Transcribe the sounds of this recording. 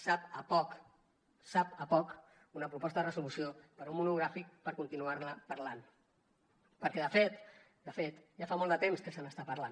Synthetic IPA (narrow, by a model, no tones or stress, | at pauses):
sapəpɔk | sapəpɔk | unəpɾupɔst̪əðərəszulusiopəɾumːunuɣ̞ɾafik̚pəɾkunt̪inuaɾləpəɾlan | pəɾkɛðəfet̪ | d̪əfet̪ʒafamolˠd̪ət̪emskəsənəst̪apəɾlan